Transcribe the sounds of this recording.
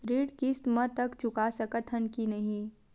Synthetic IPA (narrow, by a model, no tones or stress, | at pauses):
ɾiːɽkist̪mət̪ɐkt͡ʃʊkasɐkət̪ʰənkinɐɦĩ